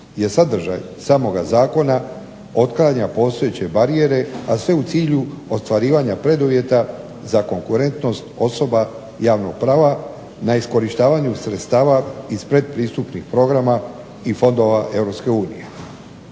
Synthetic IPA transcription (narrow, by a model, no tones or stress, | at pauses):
je̞sad̪r̩ʒa̰j | saːmo̞ɡazaːko̞na | o̞t̪klˠaːɲapo̞st̪o̞jet͡ɕe̞baɾie̞ɾe̞asʋe̞ut̪siːʎu | o̞st̪ʋaɾiːʋaɲapɾe̞d̪uʋje̞t̪a | zako̞ŋkuɾe̞nt̪no̞st̪o̞so̞ba | jaːʋno̞̰ɡ̥̚pɾaːʋa | naisko̞ɾiʃt̪aːʋaɲusɾe̞t̪st̪aːʋaizpɾe̞d̪̚pɾiːst̪upnixpɾo̞ɡɾama | ifo̞nd̪o̞ʋaʔe̞vɾo̞pske̞uːnḭje̞